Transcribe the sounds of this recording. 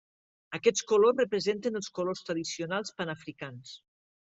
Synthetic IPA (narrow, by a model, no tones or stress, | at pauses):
əkɛt͡skolosrəpɾəzent̪ənəlˠskolost̪ɾəðisionalˠspanafɾikans